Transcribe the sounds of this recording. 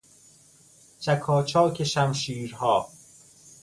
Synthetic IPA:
t͡ʃʰækʰɒːt͡ʃʰɒːkʰeʃæmʃiːɾhɒː

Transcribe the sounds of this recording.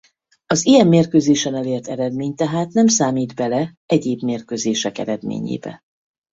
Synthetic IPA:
ɒzijɛmːeːrkøːzeːʃɛnɛleːrt̪ɛɾɛd̪meːɲt̪ɛɦaːt̪nɛmsaːmiːd̪bɛlɛ | ɛɟeːbmeːrkøzeːʃɛkɛ̰ɾɛd̪mḛːɲḛːbɛ̰

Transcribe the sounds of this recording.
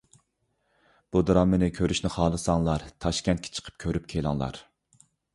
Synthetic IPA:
b̥ud̪ɨɾɑmːɪnɪkʲʰøɾyʃnɪχɑːlˠɨsɑŋlˠɑɾt̪ʰɑʃkʲɛnt̪̚kʰʲe̥t͡ʃʰə̥qʰə̥p̚kʲʰøɾyp̚kʲʰelˠɑ̰ŋlˠɑ̰ɾ

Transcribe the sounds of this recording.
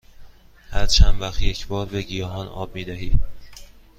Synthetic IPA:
hæɾt͡ʃʰænvæxt̪jecʰbɒːɾbeɟijɒːɦɒːnɒ̰ːb̚miːd̪æɦiː

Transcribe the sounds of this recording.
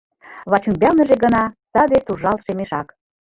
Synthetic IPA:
βɑt͡ɕumbʲɑlnə̆ʒeɡə̆nɑt̪ɑd̪et̪uʒɑlʃemeʃɑk

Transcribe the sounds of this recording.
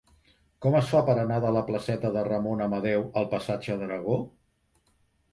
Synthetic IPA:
kɔməsfapəɾənaðələpləsɛt̪əðərəmonəməðɛwəlˠpəsad͡ʒəðəɾəɣ̞o

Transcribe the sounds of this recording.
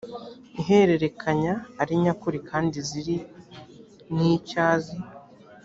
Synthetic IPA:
iɦe̞ɾe̞ɾe̞kʰaɲaːɾiɲakuɾikʰaːndiziɾi | niːcaːzi

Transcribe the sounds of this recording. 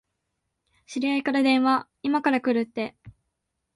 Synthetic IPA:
ɕiɾʲiaikaɾad̪ẽ̞ɰ̃βa | imakaɾakɯ̟ɾɯ̟t̪ːe̞

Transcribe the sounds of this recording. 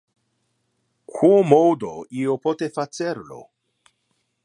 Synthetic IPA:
kʰuomowd̪oiopot̪efat͡seɾlo̰

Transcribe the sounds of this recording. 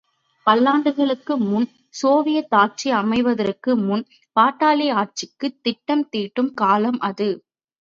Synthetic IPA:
pɐlːaːɳɖɯɣɐɭɯkːɯmʊn | soːʋɪjɐt̪ːaːʈ̚t͡ʃiɐmɐɪʋɐðɐɾɯkːɯmʊn | paːʈːaːlɪaːʈ̚t͡ʃɪkːɯt̪ːɪʈːɐmt̪iːʈːɯmkaːlɐmʔɐðɯ

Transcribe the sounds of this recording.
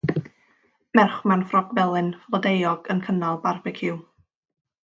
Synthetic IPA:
mɛrχmanfrɔɡvɛlˠɨnflˠɔdejɔɡ̥ənkʰənalˠbarbɪkʰɪw

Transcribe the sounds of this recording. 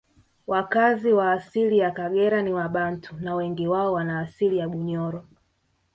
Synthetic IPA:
wakaziwaːsilijakaɡɛɾaniwaɓantʰunawɛŋɡiwaɔwanaːsilijaɓuɲɔɾɔ

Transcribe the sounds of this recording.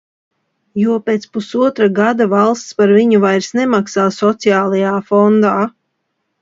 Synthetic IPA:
juɔpeːt̪spusuɔt̪ɾaɡad̪avalˠst̪spaɾviɲuvajɾsnemaksaːsɔt̪siaːlˠajaːfɔnd̪aː

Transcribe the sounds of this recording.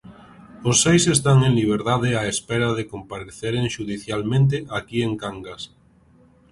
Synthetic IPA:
osːejsest̪aŋẽŋliβ̞eɾðaðeaespeɾaðekompaɾeθeɾeŋʃuðiθjalmẽnt̪̬eʔakieŋkaŋɡas

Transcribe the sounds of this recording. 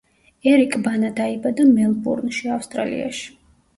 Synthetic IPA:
ɛɾikʼbanad̪aibad̪amɛlˠbṵɾnʃiafst̪ʼɾa̰lḭa̰ʃi̥

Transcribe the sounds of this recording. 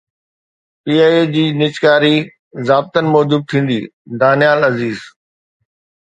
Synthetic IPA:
piːaːed͡ʑiːnɪt͡ɕkaːɾi | zaːb̚t̪ənɪ̆mɔːd͡ʑʊb̚t̪ʰĩːn̆d̪iː | d̪aːnijaːlɐziːz

